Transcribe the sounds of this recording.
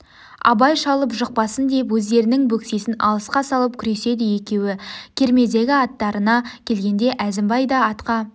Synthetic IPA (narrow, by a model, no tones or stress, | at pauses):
ɑ̰bɑjʃɑlˠəpʒəq̚pɑsənd̪epwɵzd̪e̞ɾɪnɪŋbɵkse̞sɪnɑ̰lˠəsqɑsɑlˠəp̚kʲʰʏɾe̞se̞d̪ɪje̞kʲe̞wɪkʲʰe̞ɾme̞d̪e̞ɡʲɪɑt̪ːɑɾənɑkʲʰe̞lɡʲe̞nd̪e̞ʔæzɪmbɑjd̪ɑːt̪qɑ